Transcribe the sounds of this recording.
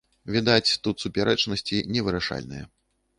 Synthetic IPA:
vʲid̪at͡sʲt̪ut̪supʲaɾɛt͡ʂnɐsʲt͡sʲinʲɛvɨɾaʂa̰lʲnɨ̰jɛ

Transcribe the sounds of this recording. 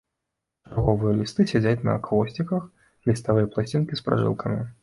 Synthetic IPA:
arɣɔvɨjɐlʲist̪ɨsʲad͡zʲat͡sʲnɐ̰ːkvɔsʲt͡sʲikɐx | lʲist̪avɨjɐplˠasʲt͡sʲinkʲispɾa̰ʐɨ̰lˠkʰɐmʲi

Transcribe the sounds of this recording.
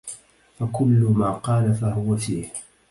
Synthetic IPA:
fakʊlːʊmaːqɑːlafahʊwafiːh

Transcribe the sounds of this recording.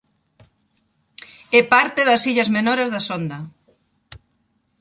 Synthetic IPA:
ɛpaɾt̪eðɐsiʎɐzmenoɾezðɐsond̪ɐ

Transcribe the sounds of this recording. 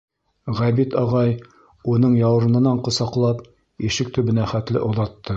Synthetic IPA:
ʁæbit̪ɑʁɑj | unɤɴjɑw̆ɾɤ̆nɤ̆nɑɴqŏsɑqlˠɑp | iʃɘk̚t̪ɵ̆bɘ̆næχæt̪lɘ̰ʔŏðɑt̪ːɤ

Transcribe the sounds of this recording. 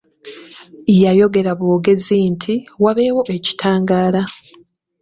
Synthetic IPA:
ijajo̞ɡe̞ɾaβoːɡe̞zintʰiwaβe̞ːwo̞ʔe̞ci̥tʰaːŋɡaːla

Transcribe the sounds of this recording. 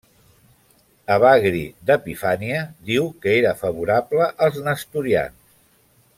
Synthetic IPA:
əβaɣɾḭd̪əpifaniəðiwkəeɾəfəβuɾabləʔəlˠznəst̪uɾia̰ns

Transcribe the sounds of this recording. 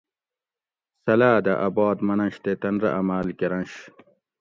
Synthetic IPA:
sɐlaːd̪ɐʔɐbɑːd̪mɐnɐɕt̪et̪ɐnɾɐ̰ʔɐmaːlkiɾɐnɕ

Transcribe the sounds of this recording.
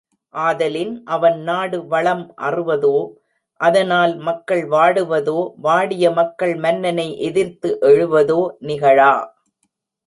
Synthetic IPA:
ʔaːðɐlɪnʔɐʋɐnnaːɽɯʋɐɭɐmʔɐ̰rɯʋɐðoː | ʔɐðɐnaːlmɐkːɐɭʋaːɽɯʋɐðoːʋaːɽɪjɐmɐkːɐɭmɐnːɐnɐɪʔɛðɪɾt̪ɯʔɛɻɯʋɐðoːnɪɣɐɻaː

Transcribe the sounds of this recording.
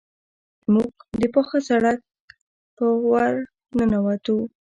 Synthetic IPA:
muɡ̚d̪əpoxasaɽak̚ | pəwaɾ | nənawat̪u

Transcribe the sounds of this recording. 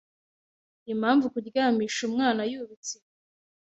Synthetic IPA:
ijim̤̥haːɱvukuɟɡaːmiːʃumŋaːnajuβit͡si

